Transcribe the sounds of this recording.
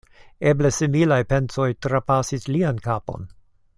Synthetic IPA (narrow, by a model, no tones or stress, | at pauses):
eblesimilajpe̞nt͡so̞jtɾapasisliankapo̞̰n